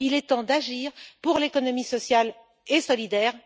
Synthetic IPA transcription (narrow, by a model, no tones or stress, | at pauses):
ilɛt̪ɑ̃d̪aʒiːʁpuʁlekɔnɔmisɔsjal | esɔlid̪ɛːʁ